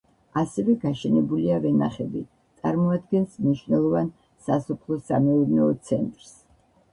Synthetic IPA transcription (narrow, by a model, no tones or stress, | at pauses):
asɛvɛɡaʃɛnɛbuliavɛnaχɛbi | t̪sʼaɾmɔad̪̚ɡɛnsmniʃwnɛlˠɔvan | sasɔpʰlˠɔsamɛuɾnɛɔt̪sʰɛnt̪ʼɾs